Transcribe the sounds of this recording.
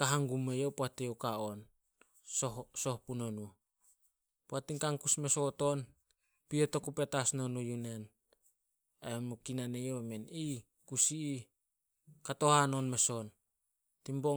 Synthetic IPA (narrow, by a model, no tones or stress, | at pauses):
kaɦaŋɡumejopoatewkaon | sohso̞hpunonu | poatiŋkaŋkusme̞soto̞n | pioto̞kupe̞tasnonujune̞n | emukinanejowmeni | kusiː | kato̞hanonme̞son | timbo